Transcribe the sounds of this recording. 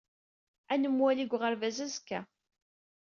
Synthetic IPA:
ænəmwæliɡʷʁəɾvæzæzkːæ

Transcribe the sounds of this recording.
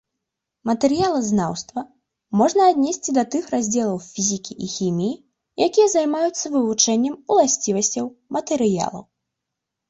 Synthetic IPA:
mɐt̪ɛɾɨjalˠɐznawst̪vɐ | mɔʐnɐːd̪ʲnʲɛsʲt͡sʲid̪ɐt̪ɨxrazʲd͡zʲɛlˠɐwfʲizʲikʲiʔixʲimʲiji | jakʲijɐzajmajut̪sːɐvɨvut͡ʂɛnʲːɛmulˠasʲt͡sʲivɐsʲt͡sʲɐwmɐt̪ɛɾɨja̰lˠɐ̰w

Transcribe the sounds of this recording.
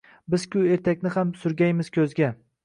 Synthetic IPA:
bɪz̥kʲʊe̞ɾt̪ʰakʲnɪhamsʊɾɡʲajmɪz̥kʲʰɵzɡʲa

